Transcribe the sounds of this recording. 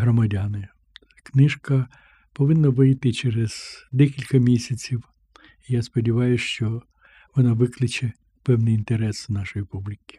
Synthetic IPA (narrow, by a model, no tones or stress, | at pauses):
ɦɾɔmɐdʲɑnɪ | knɪʃkɐ | pɔʋɪnːɐʋɪjt̪ɪt͡ʃeɾez̥d̪ɛkʲilʲkɐmʲisʲɐt͡sʲiw | ijaspɔdʲiʋɑjʊʃt͡ʃɔ | ʋɔnɑʋɪklˠɪt͡ʃɛ | pɛwnɪjint̪eɾɛsnɑʃɔjipublʲikʲi̥